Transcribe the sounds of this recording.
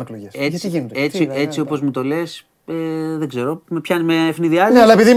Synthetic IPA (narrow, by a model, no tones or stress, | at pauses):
kleiet͡sie̞t͡siopo̞zmut̪o̞le̞s | eðeɡze̞ɾo̞mepçɐnizmeːfniðiɐneɐlɐepiði